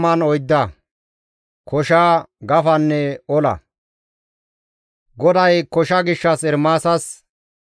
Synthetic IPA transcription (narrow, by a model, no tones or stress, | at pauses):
mɐnɔjd̪ːɐ | kʰɔʃaːɡɐfɐnːɛɔlɐ̰ | ɡɔd̪ɐjkɔʃɐɡɪʃːɐsɛɾmaːsɐs